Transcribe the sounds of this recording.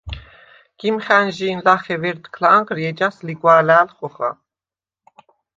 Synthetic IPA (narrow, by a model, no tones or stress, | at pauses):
ɡ̥imχænʒiːnlaχɛvɛɾt̪kʰlaʔːŋqɾjɛd͡ʒansliɡwaːlæːlχɔχa̰